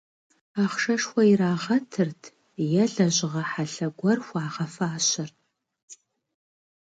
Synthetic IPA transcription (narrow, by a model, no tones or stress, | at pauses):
aːχʂɐʂxʷɔiɾaːʁɐtʰɨrtʰ | jɛɮɐʑʼɪʁɐħaɬɐɡʷɐrxʷɑːʁɐfaaːɕɐr